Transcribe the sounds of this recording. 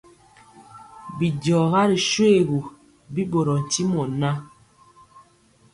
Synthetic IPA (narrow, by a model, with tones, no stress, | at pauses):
bi˨dɔ˨ɣa˦ɾi˨ʃwe˦˨ɣu˨ | bi˦bo˨ɾɔ˨n̩˨ti˦mɔ˨na˦